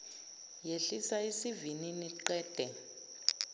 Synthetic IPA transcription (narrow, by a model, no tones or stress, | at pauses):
jeɬisaisivininiǃɛːd̥ʱɛ